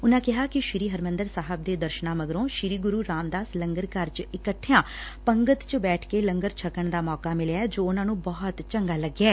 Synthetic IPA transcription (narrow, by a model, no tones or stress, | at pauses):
ʊnãːkɪɦaːkɪʃɪɾiːɦəɾmə̃nd̪əɾsaːɦəb̚d̪eːd̪əɾʃnãːməɡɾõːʃɪɾiːɡʊɾuːɾaːmd̪aːsləŋɡəɾkəɾt͡ʃɪkəʈʰːɪjãː | pəŋɡət̪t͡ʃbɛːʈʰkeːləŋɡəɾt͡ʃʰəkːəɳd̪aːmɔːkaːmɪleaɛːd͡ʒoːʊnãːnũːbɔɦɔt̪t͡ʃəŋɡaːləɡːaː